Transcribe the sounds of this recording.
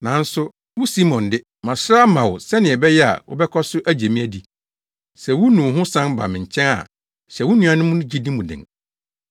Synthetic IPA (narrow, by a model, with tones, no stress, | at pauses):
nã˨n̩˦sʊ˦ | wʊ˦si˦mɔ̃˨ndɪ˦ | mã˨sɾa˦mã˨wʊ˨sɛ˦nɪ̃˨ɛ˨bɛ˦jɛ˦a̰˨wʔʊ̰˦bɛ˦kʰɔ˦sʊ˦ʔæ˦d͡ʑe˨mĩ˦æ˦di˦ | sɛ˨wʊ˦nũ˨ɦʊ̃˦sã˦nba̰˨mɪ̃˨ɲ˨t͡ɕʰɛ̃˦na̰˨ | ɕɛ˨wʊ˦nũ˦ã˦nʊ̃˦mʊ̃˦nʊ̃˦d͡ʑi˦dĩ˦mʊ̃˨dɪ̰̃˨ŋ